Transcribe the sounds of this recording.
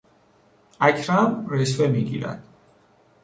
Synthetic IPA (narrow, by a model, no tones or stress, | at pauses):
akʰɾamɾɛswɛmiɡḭla̰n